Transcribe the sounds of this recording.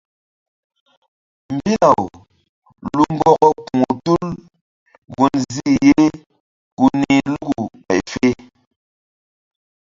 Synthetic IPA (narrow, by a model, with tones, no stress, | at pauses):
m̩˨bi˦la˨w | lu˨m˦bɔ˦kɔ˦ku˨ŋo˨tu˦l | ɣu˨nzi˦˨je˦ | ku˨ni˨lu˦ɡu˨pɛ̰˨jfe˦